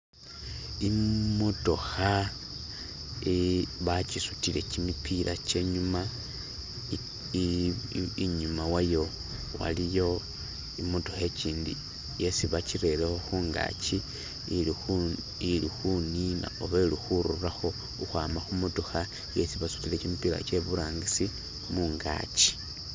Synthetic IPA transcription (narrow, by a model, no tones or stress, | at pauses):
imo̞to̞xa | iβat͡ʃisutile̞t͡ʃimipʰilʔa̰t͡ʃe̞ɲuma | iɲumawajo̞ | wa̰lijo̞ | imo̞toxe̞ciːndḭ | je̞siβat͡ʃiɾe̞lexo̞xuːŋɡa̰ːt͡ʃi | ilixunina̰oβelixuɾuraxo̞ | uxwaːmaxumotuxa | je̞siβasu̥tile̞cimipiɾa̰t͡ʃe̞βuɾaːŋɡisi | muŋɡa̰ːt͡ʃi̥